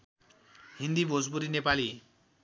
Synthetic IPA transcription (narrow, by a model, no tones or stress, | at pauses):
ɦind̪ibʱod͡zbuɾinepali